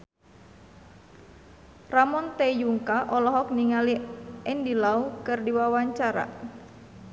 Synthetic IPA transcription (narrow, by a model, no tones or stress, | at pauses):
ramɔnt̪ejuŋkaʔɔlɔɦɔk̚niŋaliɛndilaukɨrdiwawaɲt͡ʃaɾa̰